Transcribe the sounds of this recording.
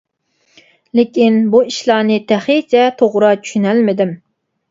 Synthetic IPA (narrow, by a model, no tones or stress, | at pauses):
lɪkʲinbuiʃlˠɑːnɨt̪ʰæχit͡ʃʰɛt̪ʰoʁɾɑt͡ʃʰy̥ʃynælmɪd̪ɪm